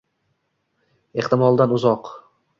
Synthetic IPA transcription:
e̞ht̪ɪmɒlˠd̪anʊzɒq

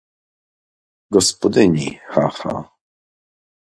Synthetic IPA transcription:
ɡɔspɔd̪ɘɲixaxa̰

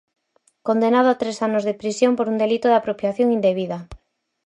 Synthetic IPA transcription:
kond̪enað̞ʊat̪ɾesanʊzðɪpɾisjompoɾund̪elit̪oðɪapɾopjaθjoŋind̪eβiðɐ

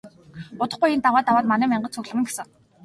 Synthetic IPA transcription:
ʊt̪ə̆χɢujent̪awaːt̪awaːt̪manæːmæɴɢə̆t͡sʰɵɣɮə̆mɘ̆ŋɡesɘ̆ŋ

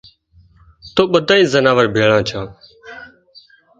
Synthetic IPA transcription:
t̪oːɓəd̪ʱaːĩːzənaːʋəɾbʱeːɭãːt͡ʃʰãː

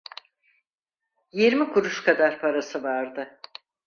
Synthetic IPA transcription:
jiɾmikʰuɾuʃkʰad̪aɾpʰaɾasɯvaɾd̪ɯ

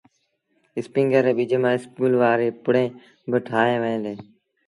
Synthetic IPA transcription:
ɪspɪŋɡəɾeːɓiːd͡ʒʱemãːɪskuːlʋaːɾeːpʊɽẽː | bəʈʰaːɦẽːʋəẽːleː

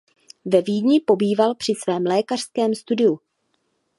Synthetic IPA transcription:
vɛviːdɲɪpo̞biːvalpr̥ɪsvɛːmlɛːkar̥skɛːmst̪udɪu

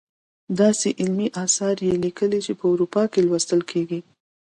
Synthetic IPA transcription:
d̪ɑseʔɪlmiʔɑsɑɾjelikəlit͡ʃepəʊɾupɑkelwast̪əlkʰeɡi

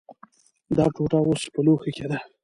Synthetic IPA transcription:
d̪ɑʈoʈɑwospəloxekʲed̪a

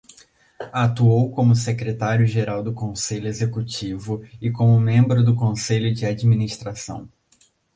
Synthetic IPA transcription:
at̪uowkõmʊsekɾet̪aɾjʊʒeɾawd̪ʊkõseʎʊezekut͡ʃivʊɪkõmʊmẽmbɾʊd̪ʊkõseʎʊd͡ʒɪad͡ʒiminist̪ɾasɐ̰̃w̃

